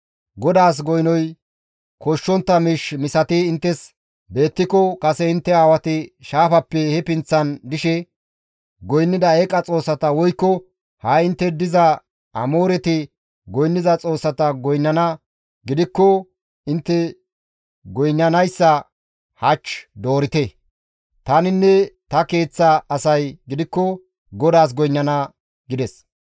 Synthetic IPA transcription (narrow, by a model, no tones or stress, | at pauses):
ɡɔd̪aːs̬ɡɔjnɔj | kɔʃːɔnt̪ːɐmɪʃmɪsɐt̪ɪɪnt̪ːɛs | be̞ːt̪ːɪkːɔkʼɐsɛɪnt̪ːɛaːwɐt̪ɪʃaːfɐpːɛhɛpɪnt͡sːɐnd̪ɪʃɛ | ɡɔjnːɪd̪ɐɛkʼːɐt͡sʼo̞ːsːɐt̪ɐwɔjkːɔ | hɐɪnt̪ːɛd̪ɪzɐ | ɐmoːɾɛt̪ɪ | ɡɔjnːɪzɐt͡sʼo̞ːsːɐt̪ɐɡɔjnːɐnɐ | ɡɪd̪ɪkːɔ | ɪnt̪ːɛ | ɡɔjnːɐnɐjsːɐ | hɐt͡ʃːd̪oːɾɪt̪ɛ | t̪ɐnɪnːɛt̪ɐke̞ːt͡sːɐɐsɐjɡɪd̪ɪkːɔ | ɡɔd̪aːs̬ɡɔjnːɐnɐ | ɡɪd̪ɛs